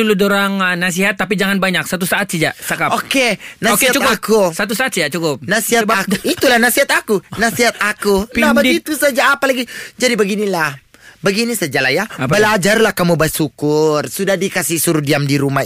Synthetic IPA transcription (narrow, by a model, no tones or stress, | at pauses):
uludoɾaŋnas̬iɦat̪ːap̬id͡ʒaŋanbaɲak̚sat̪usaʔat̪̚sad͡ʒat͡ʃakapokenaokeatt͡ʃukʊapkusat̪̬usaat̪sijat͡ʃukʊp̚nasiɦat̪bakuit̪ulahnasiɦat̪akunasiɦat̪̚akunabədit̪usad͡ʒaːpalaɡid͡ʒadibəɡinilah | bəɡinisad͡ʒalajaapbbəlad͡ʒarlahkamubasukʊrsudahdikasisuɾudiamdiɾuma